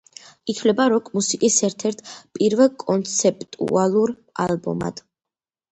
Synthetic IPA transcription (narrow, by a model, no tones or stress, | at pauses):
it̪ʰvlɛbaɾɔkʰʼmusikʼisɛɾt̪ʰɛɾt̪ʰpʼiɾvɛlˠkʼɔnt̪sʰɛpʼt̪ʼṵalˠuɾ | a̰lˠbɔ̰ma̰d̪̥